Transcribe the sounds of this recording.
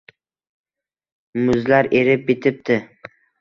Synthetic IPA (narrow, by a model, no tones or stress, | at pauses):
mʊzlaɾeɾɪp̚et̪ʰɪp̚t̪ʰɪ